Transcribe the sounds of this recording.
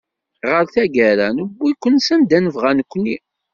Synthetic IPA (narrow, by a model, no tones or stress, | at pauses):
ʁəɾθæɡæɾænəbːikʷːənsænd̪ænəvʁænəkʷːnːi